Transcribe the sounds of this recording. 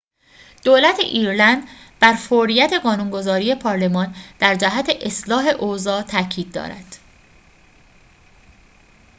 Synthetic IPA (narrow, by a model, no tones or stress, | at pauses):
d̪̥oːlæt̪ʰḛʔiːɾlænd̪ | b̥æɾfoɾijæt̪ʰe̞ɢɒːnuŋɡo̞zɒːɾije̞pʰɒːɾle̞mɒːnd̪̥æɾd͡ʒæɦæt̪ʰe̞ʔeslɒːɦe̞ʔozɒːt̪ʰæcʰiːd̪̚ːɒ̰ːɾæ̰d̪̥